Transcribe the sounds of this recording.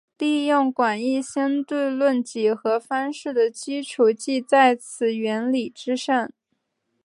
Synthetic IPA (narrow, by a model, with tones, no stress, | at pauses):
li˥˧jʊ˥˩ŋkwa˨˩ni˥˩ɕjɛ˥nt̪we˥˧ɪlwə˥˩nt͡ɕi˧˥xɤ˧˥fɑ˥nʂɻ̩˥˩d̪ə˩t͡ɕi˥ʈ͡ʂʰu˨˩t͡ɕi˥˧t͡sa˥˩ɪt͡sʰɹ̩˨˩ɥɛ˧˥nli˨˩ʈ͡ʂɻ̩˥ʂa˥˩ŋ